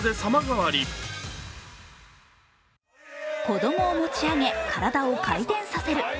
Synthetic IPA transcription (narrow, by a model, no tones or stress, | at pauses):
d̪e̞samaɡaβaɾʲi | ko̞d̪o̞mo̞ːmo̞t͡ɕiaŋe̞kʰaɾad̪ao̞kait̪ẽ̞ɰ̃sase̞ɾɯ̟